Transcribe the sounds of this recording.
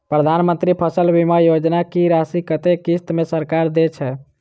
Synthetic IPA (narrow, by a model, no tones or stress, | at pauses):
pɾəd̪ʱanmənt̪ɾipʰəsəlbimajod͡ʒnakiɾasikət̪ekist̪mesəɾkaɾd̪et͡ʃʰɛ